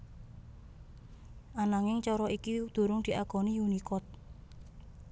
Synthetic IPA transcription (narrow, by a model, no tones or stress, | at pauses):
ʔanaŋɪŋt͡ʃɔɾɔikid̪̥o̤ɾʊŋd̪̥i̤ʔaɡ̥ɔ̤niunikɔt̪̚